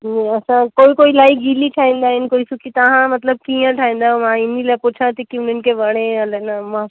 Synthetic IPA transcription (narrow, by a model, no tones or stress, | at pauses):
nɛɐsãkoːikoːilaːiɡʱiliʈʰaːĩːnd̪aːɦɪnkoːisukit̪ɐɦãmɐt̪ləb̚kijãʈʰaːĩːn̆d̪aːɦũmãɪnilapʊt͡ʃʰãt̪ikiʊnənɪ̆kʰeʋɐɽ̃ẽɐlənamã